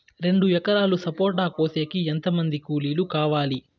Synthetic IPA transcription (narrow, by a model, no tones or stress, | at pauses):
ɾe̞ɳɖuɛkɐɾaːlusɐpoːʈ̬aːkoːse̞ːkient̪ɐmɐnd̪ikuːliːlukaːʋaːli